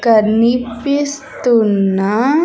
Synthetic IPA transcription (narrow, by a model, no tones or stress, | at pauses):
kəɾnipist̪una